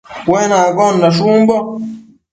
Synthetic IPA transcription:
wɛnaɡɔndaʃumbɔ

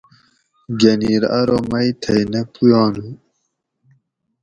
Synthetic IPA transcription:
ɡeniːɾɐ̰ɾomɐjt̪ʰɐjnepujɑːnu

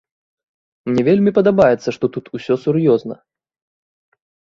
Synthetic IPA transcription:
mnʲɛvʲelʲmʲipɐd̪abajɛt̪sːɐʂt̪ɔt̪ut̪usʲɔsurjɔznɐ

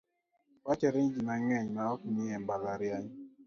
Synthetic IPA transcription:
wat͡ʃɛɾeɲd͡ʒinaŋɛɲnaɔkiniɛmbalaɾjaɲ

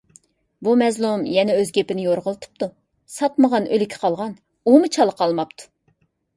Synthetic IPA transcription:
bumɛzlˠumjɛnɛøzɡʲepɪnɪjoɾʁəlˠɨt̪ʰɨ̥p̚t̪u | sɑt̪məʁɑnʔølɪkʲʰɪ̥qʰɑlˠʁɑn | umɨt͡ʃʰɑlˠːəqʰɑlˠmɑpt̪ʰu̥

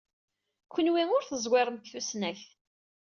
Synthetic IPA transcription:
kʷːənwiŋʊɾθəzˤweɾˤmkθusnæç

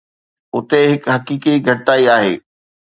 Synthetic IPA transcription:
ʊt̪eɦɪkɦɐkiːkiɡʱɐʈaːiaːɦḛː

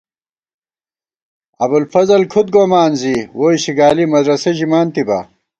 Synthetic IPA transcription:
ɐbulfɐzɐlkʰut̪̚ɡoːmaːnziwoːiɕiɡaːlimɐd̪ɾɐseʑimaːnt̪ibɐ̰

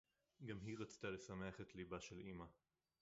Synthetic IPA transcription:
ɡamɦiʁat͡st̪ale̞sameaχet̪libaʃelima

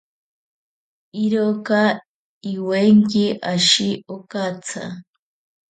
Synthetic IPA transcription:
iɾoka | iweŋkiʔaʃiokat͡sʰa̰

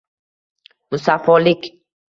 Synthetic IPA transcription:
musafɔlik

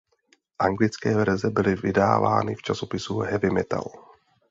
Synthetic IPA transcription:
ʔaŋɡlɪt͡skɛːvɛɾɛzɛbɪlɪvɪdaːva̰ːnɪft͡ʃasopɪsuɦɛvɪmɛt̪a̰l

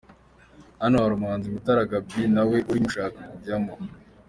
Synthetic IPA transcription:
anawaɾumaːnzimutaɾaɡab̚ɡinawe̞ʔuɾimuʃaːkamuama

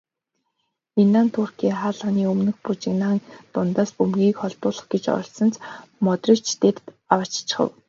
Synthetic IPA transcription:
inaːnt̪ʰʊrkiːχaːɮə̆niːɵmnɘ̆xput͡ɕɪ̆knaːŋt̪ʊnt̪aːspɵmɡʲiːkχɔɮp̪ʊːɮɞ̆χɡet͡ɕɔ̰̆ɮsɞ̆nt͡smɔt̪rĭkt͡ɕʰt̪ept̪ | awat͡ɕt͡ɕə̥̆χə̰̆w

